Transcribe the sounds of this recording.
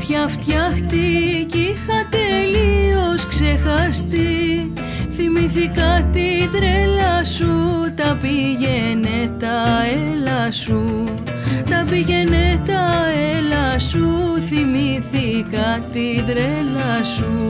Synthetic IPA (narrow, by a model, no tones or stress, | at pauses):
pçɐft̪çɐxt̪icixɐt̪e̞lio̞skse̞xɐst̪i | θimiθikɐt̪iðɾe̞lɐsut̪ɐpiʝe̞net̪ɐelɐsu | t̪ɐpiʝe̞net̪ɐelɐsuθimiθikɐt̪iðɾelɐsu